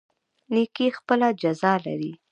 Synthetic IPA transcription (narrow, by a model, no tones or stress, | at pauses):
nekixpəlad͡ʒazɑla̰ɾi